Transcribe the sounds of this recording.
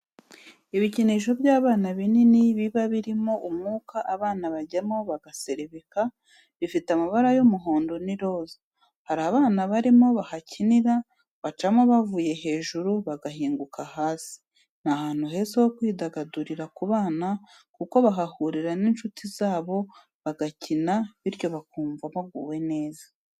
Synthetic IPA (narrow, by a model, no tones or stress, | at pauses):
iβiciniʃ̬o̞bjaːβaːnaβininiβiβaβiɾimo̞ʔumŋuːkaʔaβaːnaβaɟamo̞βaɡase̞ɾeβika | βifitamaβaɾajomuɦo̞ːndo̞niɾo̞za | haɾaːβaːnaβaɾimo̞βahacʰiniɾa | βat͡ʃamo̞βavuːje̞ɦe̞ːʒuɾuβaɡaɦiːŋɡukahaːsi̥ | nahaːn̥huhe̞zeho̞kwiːdaɡaduɾiɾakuβaːna | kuko̞βaɦahuɾiɾaninʃutʰizaːβo̞ | βaɡacinaβiɾjo̞βakuːɱvamaɡuːwe̞ne̞ːzḁ